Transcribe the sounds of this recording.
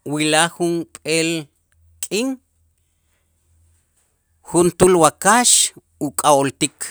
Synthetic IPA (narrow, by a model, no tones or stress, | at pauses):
wilaxunpʼel | kʼiŋ | xunt̪ulwakaʃ | ukʼawolt̪ik